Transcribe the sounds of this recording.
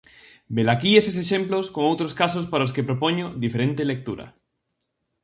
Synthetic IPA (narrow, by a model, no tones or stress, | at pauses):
belakieses̬eʃemploskoŋowt̪ɾoskasospaɾaoskepɾopoɲod̪ifeɾẽnt̪elek̚t̪uɾa̰